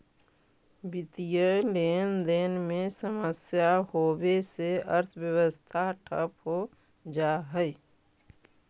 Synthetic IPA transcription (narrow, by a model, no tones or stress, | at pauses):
bit̪ijəleːnd̪eːnmesəməsjahobeseəɾt̪ʰbjəwəst̪ʰaʈʰə̰pɦo | d͡ʒaɦəj